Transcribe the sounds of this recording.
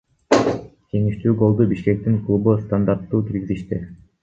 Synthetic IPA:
ke̞ŋiʃt̪yːɡo̞lˠd̪ubiʃke̞k̚t̪iŋklˠubust̪and̪aɾt̪ːuːkiɾɡʲiziʃt̪i

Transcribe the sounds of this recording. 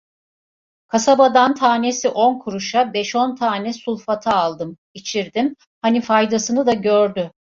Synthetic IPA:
kʰasabad̪ant̪ʰaːne̞siʔo̞nkʰuɾuʃabɛʃo̞nt̪ʰaːnɛsulˠfat̪ʰaːlˠd̪ɯm | it͡ʃʰiɾd̪im | hanifajd̪asɯnɯd̪aɟøɾd̪y

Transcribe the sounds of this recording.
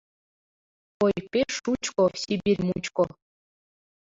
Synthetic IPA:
ojpeʂut͡ʃʼkʼɔsibirmut͡ʃʼkʼɔ

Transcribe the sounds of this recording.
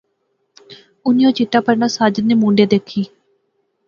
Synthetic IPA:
ʊnijõːt͡ʃiʈːaːpəɾnaːsaːd͡ʒənːeːmũːɳɖeːd̪eːkʰːiː

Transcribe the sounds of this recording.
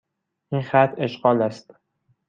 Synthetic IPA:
ʔinxæt̪ʰe̞ʃɢɒːlæst̪

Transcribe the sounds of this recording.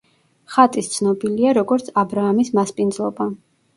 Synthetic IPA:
χat̪ʼist̪sʰnɔbiliaɾɔɡɔɾt̪sʰabɾaːmismaspʼind̪zlˠɔba

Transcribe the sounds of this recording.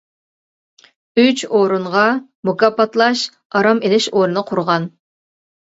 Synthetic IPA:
yt͡ʃoɾuɴʁɑmukɑpɑt̪lˠɑʃ | ɑɾɑmelɪʃoɾɨnəqʰʊɾʁɑn

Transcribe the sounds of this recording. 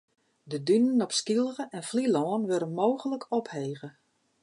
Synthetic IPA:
dədynənɔpskilˠɣəʔɛnflilɔːnʋøɾənmoːɣələkʰɔpheːɣə

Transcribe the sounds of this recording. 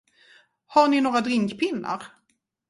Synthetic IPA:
haɳɪnoːɡɾad̪ɾɪŋkpʰɪnːa̰ɾ

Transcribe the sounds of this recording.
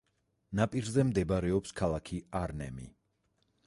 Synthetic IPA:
napʼiɾzɛmd̪ɛbaɾɛɔpskʰalˠakʰiaɾnɛ̰mḭ

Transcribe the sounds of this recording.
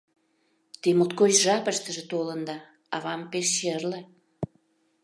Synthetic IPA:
t̪emot̪̚kojʒɑpəʃt̪ə̆ʒĕt̪olənd̪ɑ | ɑβɑmpeʃːerlə̆

